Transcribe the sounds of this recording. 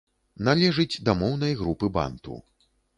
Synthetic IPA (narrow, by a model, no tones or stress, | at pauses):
nalʲɛʐɨd͡zʲd̪ɐmɔwnɐjɣɾupɨba̰nt̪ṵ